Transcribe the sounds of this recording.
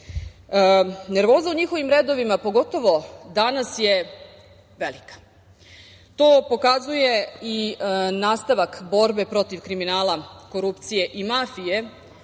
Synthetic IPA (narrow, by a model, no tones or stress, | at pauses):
ne̞ɾʋo̞ːzauɲixo̞ʋimɾeːd̪o̞ʋimapo̞ɡo̞t̪o̞ʋo̞d̪anasje̞ | ʋelikḁ | t̪o̞ːpo̞kazujeinaːst̪aʋakbo̞ɾbe̞pɾo̞t̪iʋkɾiminaːlˠako̞ɾupt̪sije̞ʔimafije̞